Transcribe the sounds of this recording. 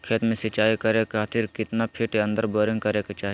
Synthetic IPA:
kʰeːt̪mẽsɪt͡ʃaːikɐɾekʰaːt̪ʰɪɾkɪt̪napʰɪʈeɐ̃nd̪əɾboːɾɪ̃ŋɡkɐɾeket͡ʃaːɦi

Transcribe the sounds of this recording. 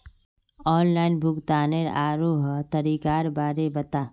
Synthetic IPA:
ɔːnlaːɪnbʱʊkt̪aːneɾa̰ːɾoɦt̪ɐɾiːkaːɾbaːɾebɐt̪aː

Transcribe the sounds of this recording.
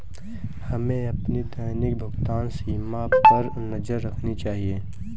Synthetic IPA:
hɐmẽɐpnid̪əjnɪk̚bʱʊɡt̪aːnsiːmapɐɾ | nɐd͡ʒəɾːɐkʰnit͡ʃaːɦieː

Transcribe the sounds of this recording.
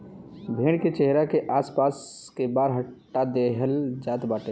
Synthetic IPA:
bʱeːɽ̃ket͡ʃeɦɾakeʔaːspaːskebaːɾɦəʈːad̪eɦəld͡ʒaːt̪baːʈe

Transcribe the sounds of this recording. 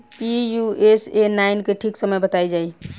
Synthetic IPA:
pijuesenainkeʈʰiksəməjbət̪ajd͡ʒaj

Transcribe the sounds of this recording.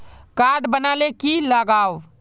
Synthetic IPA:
kaɖbənalekiləɡaw

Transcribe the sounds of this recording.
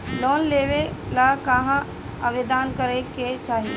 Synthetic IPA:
lɔːnleːʋelakaɦã | ɐʋed̪aːnkəɾeket͡ʃaːɦie

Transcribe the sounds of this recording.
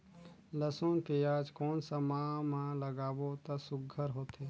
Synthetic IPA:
ləsoːnkejaːd͡ʒkoːnsəmaːmãləɡaːʋot̪asʊɡʱəɾɦoːt̪ʰeː

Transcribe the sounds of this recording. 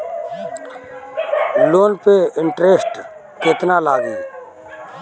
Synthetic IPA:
loːnpeɪɳʈɾeːsʈ | keːt̪nalaːɡeː

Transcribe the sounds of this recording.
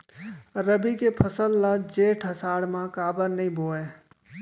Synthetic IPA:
ɾəbikepʰəsəlːad͡ʒeːʈʰɦəsaːɽmãkaːbəɾnəɦĩbʱoːẽː

